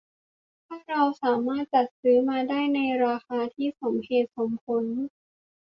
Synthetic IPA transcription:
t̪ʰaː˥˩ɾa˧wsaː˩˦maː˥˩t̪̚t͡ɕa˨˩t̪̚sɯː˦˥maː˧daː˥˩jna˧jɾaː˧xaː˧t̪ʰiː˥˩so˩˦mheː˨˩t̪̚kʰɔː˩˦ŋkʰo˧˥n

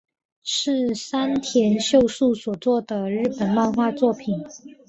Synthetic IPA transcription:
ʂɻ̩˥˩sa˥nt̪ʰjɛ˧˥nɕjo˥˧ʊsu˥˩swɔ˨˩t͡swɔ˥˩d̪ə˩ɻɻ̩˥˩pə˨˩nwa˥˧nxwa˥˧t͡swɔ˥˩pʰi˨˩˦n

